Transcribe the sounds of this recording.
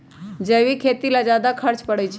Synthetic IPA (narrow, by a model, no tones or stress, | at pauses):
d͡ʒeːʋikʰeːt̪ilad͡ʒaːd̪akʰəɾt͡ʃpəɽət͡ʃʰ